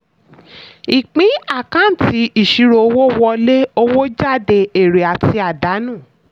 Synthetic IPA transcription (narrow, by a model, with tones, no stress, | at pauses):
i˨k͡pĩ˨˦a˦˨kã˦n̩˨ti˨˧˦i˦˨ʃi˧˦ɾo˧wo˦wɔ˧le˦o˧wo˦d͡ʒa˦˨de˧˨e˨ɾe˨a˨ti˧a˨da˨˦nũː˦˨